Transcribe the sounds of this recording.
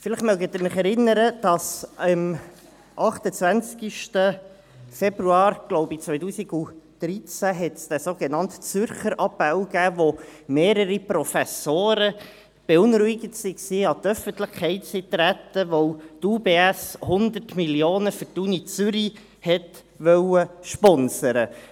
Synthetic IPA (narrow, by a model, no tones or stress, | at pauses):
fɪlɪχmœɡətdɪɾmɪχɛɾɪnːəɾəd̥ɑsim | ʔɑχtət͡svænt͡skiʃtə | fɛbɾuɑːɾɡ̥lɔʊbit͡sʋœɪtuːsiɡ̥ud̪̥ɾit͡sæɦɛtsd̥̪ɛsoːɡ̥enɑntt͡sʏɾχəɾʔɑpːæʊɡ̥æːʋomeːɾəɾipɾɔfæsoːɾə | b̥eʊnɾuɪɡətsiksiːɑt̪œfənt̪lɪχkʰːɛɪtsit̪ɾætəʋoʊt̪uːbeːæshʊnd̪ərtmiljoːnəfytunit͡sʏɾi | hɛt | ʋœwəʃpɔnsəɾə